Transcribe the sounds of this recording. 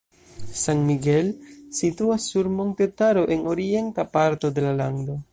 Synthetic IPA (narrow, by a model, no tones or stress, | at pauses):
sanmiɡe̞lsituasːuɾmo̞nt̪e̞taɾo̞ʔe̞no̞ɾie̞ntapaɾto̞de̞lalando̞